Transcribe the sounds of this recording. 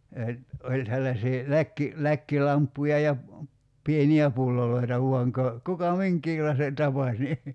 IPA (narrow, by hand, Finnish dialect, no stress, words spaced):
jɑ olʲ selːɑsiː lækːi lækːilɑmpːujɑ jɑ pieniæ pulːoloitɑ ʋuɑŋ kɑ kukɑ miŋkˑiːlɑise tɑpɑsʲ ni